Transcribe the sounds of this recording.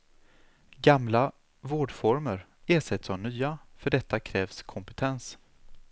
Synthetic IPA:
ɡamla | voːɖfɔɾməɾ | eːʂɛt̪sɔvnyːafœɖɛt̪ːakʰɾɛːvskʰɔmpɛt̪ʰɛns

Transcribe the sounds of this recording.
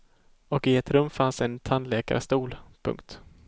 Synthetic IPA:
ɔkɪɛt̪ɾɵmːfansɛnt̪ʰanleːka̰ɾst̪uːlpʰɵ̰ŋkt̪

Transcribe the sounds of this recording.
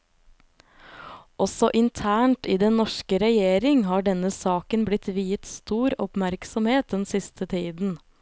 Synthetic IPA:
ʔɔsɔʔɪnt̪ʰæːɳʈiːd̪ɛnnɔʂkəɾɛjeːɾɪŋɦɑːɖɛnəsɑːkənblɪt̪ʋiːət̪st̪uːɾɔpmæɾksɔmheːt̪̚d̪ɛnsɪst̪ʰət̪ʰiːd̪n̩

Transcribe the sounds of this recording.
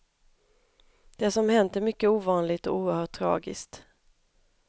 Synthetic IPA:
d̪̥ɛsɔmhɛnt̪əɾmʏkːəuːvɑːnlɪɡt̪ɔ̰uːəɾhœːʈʰːɾɑ̰ːɡɪ̰skt̪

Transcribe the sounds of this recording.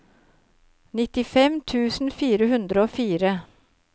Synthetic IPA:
nɪt̪ɪfɛmt̪ʰʉːsn̩fiːɾəhʉnd̪ɾəoːfiːɾə

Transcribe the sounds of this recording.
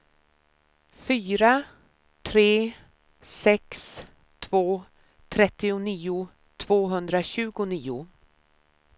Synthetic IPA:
fyːɾa | t̪ʰɾeː | sɛks | t̪ʰvoː | t̪ʰɾɛt̪ːɪʊniːʊ | t̪ʰv̥oːɦɵnd̪ɾaɕʉ̟ːɡʊniːʊ

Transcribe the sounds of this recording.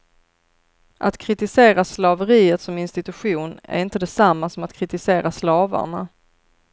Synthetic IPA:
ʔat̪kʰɾɪt̪ɪseːɾaslɑvəɾiːət̪sɔmɪnst̪ɪt̪ɵɧuːnæ̰ɾɪnt̪əd̪ɛsamːasɔmat̪kʰɾɪt̪ɪseːɾaslɑːva̰ɳa̰

